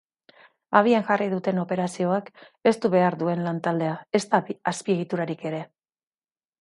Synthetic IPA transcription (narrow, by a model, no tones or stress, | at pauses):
aβ̞iaŋʝariðut̪e̞no̞pe̞ɾasio̞ake̞st̪uβe̞aɾðue̞nlant̪ald̪e̞ae̞st̪aaspie̞ɣ̞it̪uɾaɾike̞ɾe̞